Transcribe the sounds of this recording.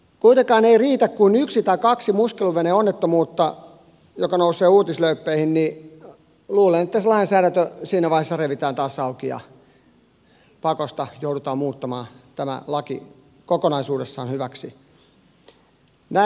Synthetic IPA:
kuit̪ekɑːneiriːt̪ækkuinyksit̪ɑikɑksimuskeluʋeneːonːet̪ːomuːt̪ːɑ̰ | jokɑnouseːuːt̪isløypːeihinni | luːlenĕt̪ːæselɑensæːɾænt̪øsiːnæʋɑˑihesːɑreʋit̪æːnt̪ɑːsɑukiɑ̰ | pɑkost̪ɑjoudut̪ɑːmmuːt̪ːɑmɑːt̪æmæ̰lɑkḭ | kokonɑisuːdesːɑːnhyʋæksi | næ

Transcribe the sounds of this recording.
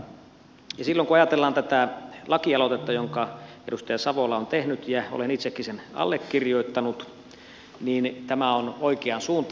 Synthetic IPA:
jɑsilːoŋkuɑjɑt̪elːɑːnt̪æt̪ælɑkiɑlot̪et̪ːɑjoŋkɑ | edust̪ɑjɑsɑʋolɑont̪ehnyt̪jɑo̰lenit̪sekːisenɑ̰lːekːirjoit̪ːɑnut̪ | niːnt̪æmæonoikeɑnsuːnt̪

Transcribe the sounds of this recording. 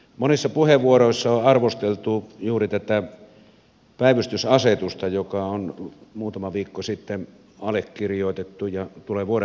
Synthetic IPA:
monisːɑpuheʋʋuoɾoˑisːɑoɑrʋost̪elt̪ujuːrit̪æt̪æ | pæˑiʋyst̪ysɑset̪ust̪ɑjokɑonmuːt̪ɑmɑʋiːkːosit̪ːen | ɑlekkirjoˑt̪et̪ːujɑt̪uleːʋuoɾe

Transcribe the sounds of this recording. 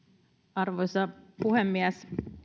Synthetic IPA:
ɑrʋojsɑpuɦemːiæs

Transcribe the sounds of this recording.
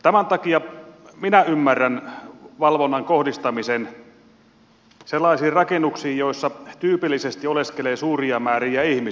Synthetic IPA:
t̪æmænt̪ɑkiɑminæymːærːænʋɑlʋonːɑŋkohdist̪ɑmisen | selːˑɑisiːrrɑkenːuksiːjjoisːɑt̪yːpilːisest̪ioleskeleːsuːriɑmæːɾiæihmi

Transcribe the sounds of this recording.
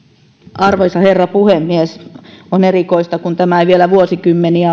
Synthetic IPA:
ɑrʋoisɑherːɑpuhemːiesonerikoist̪ɑkunt̪æmæʋielæʋuosikymːeniæ

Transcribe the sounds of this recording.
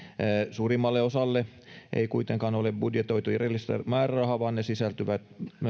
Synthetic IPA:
suːrimːɑlːeosɑlːe | ʔḛikuit̪eŋkɑnolebbudjet̪oit̪uirelːist̪æ̰mɑːrærɑhɑʋɑːnnesisælt̪yʋæt̪

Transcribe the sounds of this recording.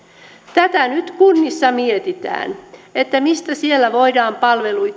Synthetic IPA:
t̪æt̪ænyt̪kunːisːɑmiet̪it̪æ̰ːnet̪ːæmist̪æsielːæʋoidɑːmpɑlʋeluj

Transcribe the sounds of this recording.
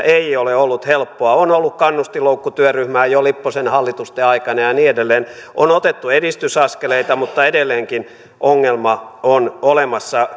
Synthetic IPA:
eioleolːut̪helpːoɑonolːukkɑnːust̪iloukːut̪yøryhmæːjolipːosenhɑlːit̪ust̪eɑikɑnɑjɑniːedelːeːnonot̪et̪ːueɾist̪ysɑskeleit̪ɑmut̪ːɑedelːeːŋkin | ʔoŋːelmɑonolemɑsːɑ

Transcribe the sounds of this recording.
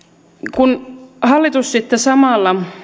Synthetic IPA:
kunhɑlːit̪ussit̪ːesɑmɑˑlːɑ

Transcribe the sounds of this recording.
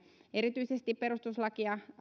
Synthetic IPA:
eɾit̪yisest̪ippeɾust̪uslɑkiɑ

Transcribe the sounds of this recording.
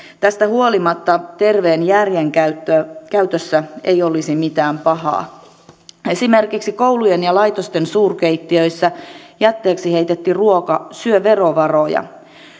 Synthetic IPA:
t̪æst̪æhuolimɑt̪ːɑt̪e̞rʋeːnjærjeŋkæt̪ːøkæyt̪øsːæejo̞lisimit̪æːmpɑhɑ̰ː | e̞simerkiksikoulujenjɑlɑjt̪ost̪ensuːrkeit̪ːiøisːæjæt̪ːeːksihe̞jt̪et̪ːiruokɑsyøʋe̞roʋɑro̞jɑ̰

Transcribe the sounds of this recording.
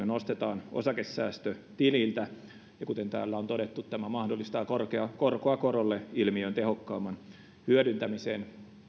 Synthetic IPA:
ønost̪et̪ɑːnʔo̰sɑkesːæːst̪øt̪iliːlt̪æ | jɑkut̪ent̪æ̰ːlːæont̪oɾet̪ːut̪t̪æmæmɑhdolːist̪ɑːkorkeɑkorkoɑkoɾolːeilmiønt̪ehokːɑːmːɑn | hyødynt̪æmisḛːn

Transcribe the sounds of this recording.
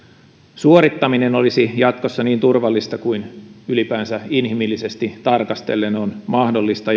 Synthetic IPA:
suoɾit̪ːɑmineno̞lisijɑt̪ko̞sːɑniːnt̪urʋɑlːist̪ɑkuinylipæːnsæinɦimilːise̞st̪it̪ɑrkɑst̪e̞̰lːenonmɑhdo̞lːist̪ɑ

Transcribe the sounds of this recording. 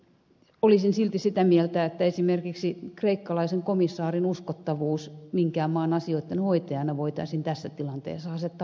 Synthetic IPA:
olisinsilt̪isit̪æmielt̪æet̪ːæesimerkiksikreikːɑlɑiseŋkomisːɑːrinuskot̪ːɑʋuːsmiŋkæːmɑːnɑsioit̪ːenhoit̪ɑjɑnɑʋoit̪ɑ̰isint̪æsːæt̪ilɑnt̪ḛːsːɑɑset̪ːɑ

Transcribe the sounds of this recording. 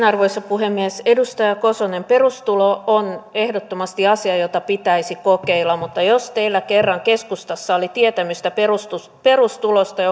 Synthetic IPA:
nɑrʋoisɑpuhemːiesedust̪ɑjɑkosonemperust̪uloonehdot̪ːomɑst̪iɑsiɑjot̪ɑpit̪æisikokeilːˑɑmmut̪ːɑjost̪eilːækerːɑŋkeskust̪ɑsːɑolit̪iet̪æmyst̪æperust̪u | perust̪ulost̪ɑ

